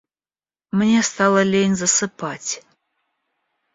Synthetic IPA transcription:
mənʲest̪ɑlˠəlʲejnʲzasɨpʰatʲ

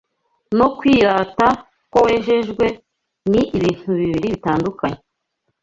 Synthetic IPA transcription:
no̞kwiːɾaːta | kowe̞ːʒe̞ʒɡwe̞ | niʔiβiːn̥tuβiβiɾiβitaːndukaɲe

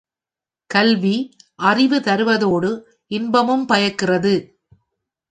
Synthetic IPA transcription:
kɐlʋiʔɐrɪʋɯt̪ɐɾɯʋɐðoːɽɯ | ʔɪnbɐmɯmpɐjɐkːɪrɐðɯ

